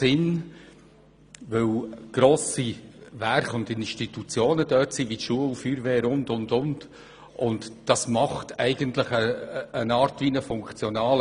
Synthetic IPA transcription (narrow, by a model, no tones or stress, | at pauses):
sɪn | vɵwɡ̥ɾoːsiværχʊndɪnʃtitut͡sjoːnəd̥œːtsiʋitʃuəlufyːɾvɛːɾʊndʊndʊnd | ʔʊntd̥ɑsmɑχtʰɛɪɡəntləχəːnɑːɾtʋinəfʊŋkt͡sjɔnɑːl